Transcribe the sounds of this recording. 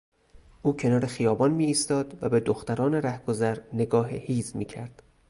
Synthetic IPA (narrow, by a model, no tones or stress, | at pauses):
ʔuːcʰe̞nɒːɾexijɒːbɒːnmiːst̪ɒːd̪væbe̞d̪oxt̪æɾɒːneɾæhɡ̥ozæɾne̞ɡɒːɦehiːzmiːcʰæɾd̪̥